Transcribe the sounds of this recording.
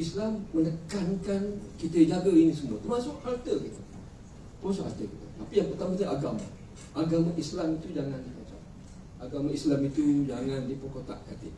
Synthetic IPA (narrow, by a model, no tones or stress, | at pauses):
islamːənəkankankit̪əd͡ʒaɡainis̬əmuat̪ərmasʊkhart̪əkit̪u̥ | t̪əɾmas̬ʊkha̰rt̪əkit̪ə̰t̪apijaŋpərt̪amat̪ʔaɡama̰ | ʔaɡamaʔislamit̪ud͡ʒaŋandiha̰t͡ʃa̰ | aɡamaislamit̪ud͡ʒaŋãndipokot̪a̰ʔkat̪ɪ̰ʔ